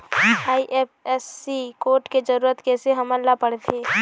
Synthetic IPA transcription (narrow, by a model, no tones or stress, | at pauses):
aːiʔeːpɛsːikoːɾʈked͡ʒəɾuːɾət̪keseɦɐmənlapəɽt̪ʰeː